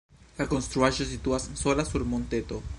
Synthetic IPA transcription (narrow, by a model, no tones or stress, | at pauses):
lako̞nst̪ɾuaʒo̞sit̪uasnso̞lasuɾmo̞nt̪e̞t̪o̞